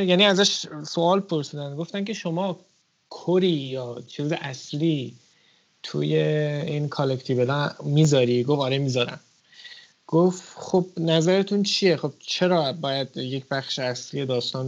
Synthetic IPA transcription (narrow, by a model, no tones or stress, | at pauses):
jæniæzæʃso̞ɒːlpʰo̞ɾsiːd̪ænd̪ɡo̞ft̪æncʰe̞ʃo̞mɒː | kʰoɾiːjɒːt͡ʃʰiːzeʔæsliː | t̪ʰṵːje̞inkʰolekʰt̪ʰivelɒmiːzɒːɾiːɡofɒɾemizɒːɾæ̰m | ɡ̥oftχob̥̚næzæɾe̞t̪ʰunt͡ʃʰije̞χo̞b̥̚t͡ʃʰe̞ɾɒːbɒːjæd̪jecʰbæχʃeæslije̞d̪ɒːst̪ɒːn